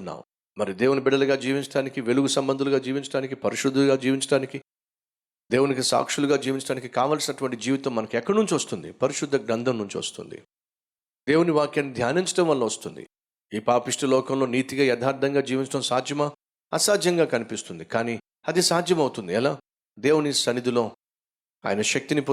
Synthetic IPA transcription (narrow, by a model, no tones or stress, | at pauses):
nːa̰ːu | mɐɾid̪e̞ːʋunibɛɽɐlɐɡaːd͡ʒiːʋiɲt͡ʃɐɽaːnikiʋe̞luɡusɐmbɐnd̪uluɡaːd͡ʒiːʋiɲt͡ʃɐɽaːnikipɐɾiʃud̪ʱːulɡaːd͡ʒiːʋiɲt͡ʃɐɽaːniki | d̪e̞ːwunikisa̰ːkʂuluɡaːd͡ʒiːʋiɲt͡ʃɐɽaːnikikaːʋaːlsinɐʈuʋɐɳʈid͡ʒiːʋit̪ɐmːɐnɐkuɛkːɐɽɐnuɲt͡ʃiʋɐst̪und̪ḭpɐɾiʂud̪ʱːɐɡɾɐnd̪ʱɐmnuɲt͡ʃiʋɐ̰st̪ṵnd̪ḭ | d̪e̞ːwuniʋaːkjaːnːid̪ʱjaːniɲt͡ʃɐ̥ʈɐ̃mʋɐlːɐʋɐst̪und̪ḭ | iːpaːpiʂʈɐlɔːkɐmlo̞ːniːt̪iɡaːjɛd̪ʰʱaːɾd̪ʱɐŋɡaːd͡ʒiːʋiɲt͡ʃɐʈɐmsaːd͡ʒ̪ʱjɐmɐ | ɐsaːd͡ʒ̪jɐŋɡaːkɐnipist̪und̪ikaːniː | ɐd̪isaːd͡ʒ̪ʱjɐmɐwut̪und̪iɐlaː | d̪e̞ːwunisɐnid̪ilo̞ː | a̰ːjɐnɐʃɐk̚t̪ini